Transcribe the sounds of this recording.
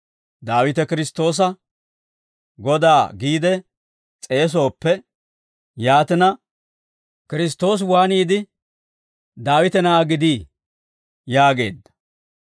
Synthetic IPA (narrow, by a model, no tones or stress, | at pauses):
d̪aːwɪt̪ɛkɪɾɪst̪ːo̞ːs̬ɐ | ɡɔd̪aːɡiːd̪ɛ | t͡sʼe̞ːs̬o̞ːpːɛ | jaːt̪ɛnɐ | kɪɾɪs̬t̪o̞ːs̬waːniːd̪ɪ | d̪aːwɪt̪ɛnaɡɪd̪iː | jaːɡe̞̰ːd̪ːɐ̥